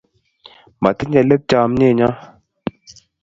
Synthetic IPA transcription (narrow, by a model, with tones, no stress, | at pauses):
ma̰˨tə˦ɲɛ˨lə˦p̚d͡ʒa˨m˦ɲe˦˨ɲa˦